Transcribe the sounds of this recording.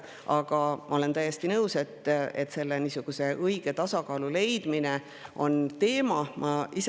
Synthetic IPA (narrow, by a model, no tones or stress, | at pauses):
ʔɑɡ̥ɑmʔɑ̰o̞le̞nt̪æjːe̞st̪inɤwse̞t̪ːe̞̰t̪ːˑse̞lːenisuɡ̥use̞ʔɤiɡ̥e̞t̪ɑsɑkɑːlule̞jd̪̥mine | ʔo̞̰nt̪e̞ːmɑmʔɑis